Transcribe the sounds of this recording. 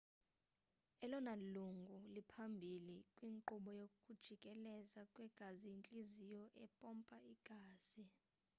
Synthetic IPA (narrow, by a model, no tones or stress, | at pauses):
ɛlɔnaluŋɡʱulipʰambʱilikʼwiːŋǃuɓɔjokʼud̥ʒ̥ʱikʼɛlɛzakʼwɛɡ̥ʱaziint͡ɬʼizijɔʔɛpʼɔmpʼaiɡ̥ʱaːz̥i